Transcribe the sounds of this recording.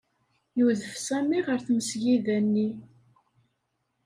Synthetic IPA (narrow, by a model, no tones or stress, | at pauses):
juðəfsæmiʁəɾθməsʝiðænːi